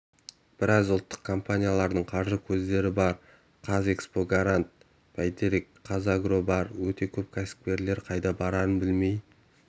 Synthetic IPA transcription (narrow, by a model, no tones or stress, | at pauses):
b̥ɪɾɑzʊlˠt̪ːə̥qkʰo̞mpanʲijalˠɑɾd̪əɴqʰɑɾʒəkʲʰɵzd̪e̞ɾɪbɑɾ | qʰɑze̞kspo̞ɡaɾant̪̚ | pʰajt̪eɾikqʰːɑzaɡro̞bɑɾwɵt̪e̞kʲʰɵp̚kʲʰasɪ̥k̚pʲe̞ɾle̞ɾqʰɑjd̪ɑbɑɾɑɾənbɪlme̞j